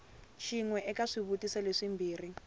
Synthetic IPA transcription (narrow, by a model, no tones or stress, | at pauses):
ʃiŋwɛʔɛkaʂiβutisaleʂimbʱiːri